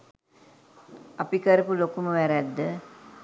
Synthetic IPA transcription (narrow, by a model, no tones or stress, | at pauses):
apikəɾəpulokuməʋæɾæd̪ːə